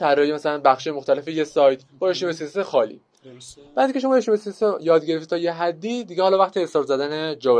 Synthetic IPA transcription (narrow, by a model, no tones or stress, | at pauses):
t̪ʰæɾːɒjemæsælænbæxʃiːjemoxt̪ʰælefejesɒːjt̪ʰbɒːɾeʃnemesisexɒːlḭː | b̥æɾd̪iŋkʰe̞ʃo̞mːeʃnemesisejɒːd̪ɟeeft̪i̥t̪ʰɒːjeɦæd̪ːid̪iɟehɒːlɒːvæxt̪ʰiesɒːɾzæd̪æned͡ʒɒve